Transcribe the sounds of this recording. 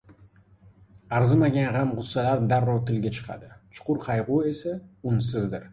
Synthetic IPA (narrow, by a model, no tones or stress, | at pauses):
aɾzɪmaɡʲanʁamʁʊsːalaɾd̪aɾːɒɾt̪ʰɪlɡʲat͡ʃʰɨ̥qʰɑ̰d̪ɪt͡ʃʰʊ̥qʰʊɾqʰɑjʁʊe̞saʊnsɪzd̪ɪɾ